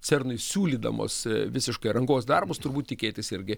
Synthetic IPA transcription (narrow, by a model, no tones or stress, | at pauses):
sʲɛrnoɪsʲuːlʲiːd̪ɐ̰mo̰ːsʋʲɪsʲɪʃkɐɪɾɐŋɡoːsd̪ɐrbʊst̪ʊɾbuːt̪t̪ʲɪkʲeːt̪ʲɪsɪɾʲɡʲɪ